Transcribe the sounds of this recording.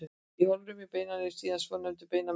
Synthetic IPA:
ihɔlɾʏmɪpejnaɾɪ̥siːðansvɔnœnt̪ʏpejna

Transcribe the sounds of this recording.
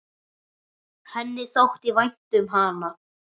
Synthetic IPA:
hɛnːɪθowht̪ivajn̥t̪ʏmɦaːna

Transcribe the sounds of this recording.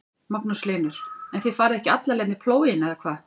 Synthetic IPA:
mapnʏslɪːnʏɾ̥ɛnθifaːɾɪðɛhcɪat̪laɾlɛːmɪpʰloːwjɪnɛðakʰvaː

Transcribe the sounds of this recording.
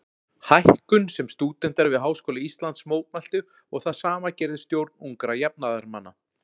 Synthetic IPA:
hajhkʏnsɛmst̪uːt̪ɛn̥t̪aɾvɪðɦaːwskɔːlɪist̪lant̪smoːwt̪̚mal̥t̪ʏ | ɔɣθaðsaːmacɛːɾðɪst̪jowɾt̪nuŋkɾajap̚naðaɾmanːa

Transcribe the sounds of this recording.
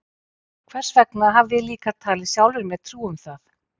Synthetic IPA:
kʰvɛr̥svɛknaɦavvɪliːkat̪ʰaːlɪsjawlʏɾmɛðt̪ʰɾuːʏmθaθ

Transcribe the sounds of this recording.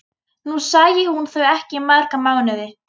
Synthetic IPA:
nusaːjɪhunθœɥɛhcɪmːaðɾ̥kamaɣnʏðɪ

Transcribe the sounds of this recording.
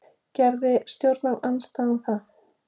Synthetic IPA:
cɛɾðɪst̪jowɾt̪naanst̪aːɪmθa

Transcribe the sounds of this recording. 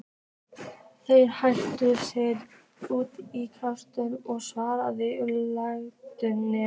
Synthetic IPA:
θejɾhajl̥t̪ʏsɪð | uːt̪ikʰast̪ʏnɔɣsvaːɾaðɪʏlaɣt̪ʏnɛ

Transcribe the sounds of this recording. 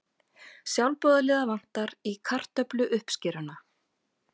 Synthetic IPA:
sjawlpɔːðalɛːðavan̥t̪aɾikʰar̥t̪œplʏʔʏhpscɪːɾana

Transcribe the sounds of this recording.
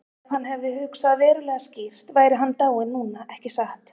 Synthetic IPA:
ðhanːɦɛvðɪhʏksaðvɛːɾʏlɛɣascir̥t̪vaːjɾɪɦanːt̪aːwɪnːuːnaʔɛhcɪsaht̪

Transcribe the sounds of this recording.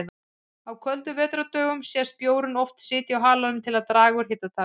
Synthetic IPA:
ða | hawkʰœlt̪ʏvɛːt̪ɾat̪œːɣʏmsjɛspjoːwɾʏnɔft̪sɪːt̪jɪawɦaːlaðʏmt̪ʰɪlaðt̪ɾaːɣʏɾ̥çeːt̪at̪ʰa

